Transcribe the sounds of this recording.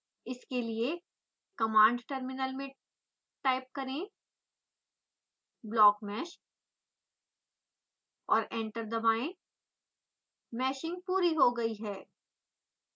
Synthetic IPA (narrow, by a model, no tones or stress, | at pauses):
ɪskelie | kɐmãːɳɖʈəɾmɪnəlmẽ | ʈaːɪp̚kɐɾẽ | blɔːkmɛːʃ | ɔːɾɛ̃ːɳʈəɾd̪ɐbaːẽ | mɛːʃɪ̃ŋɡ̚puːɾiɦoɡɐiɦɛː